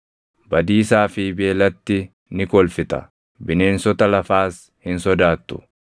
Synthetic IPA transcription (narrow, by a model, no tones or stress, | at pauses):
bɐd̪iːsaːfɪbe̞ːlɐt̪ːɪ | nɪkʼɔlfɪt̪ɐ̰ | bɪne̞ːnsɔt̪ɐlɐfaːs | hɪnsɔd̪aːt̪ːʊ̥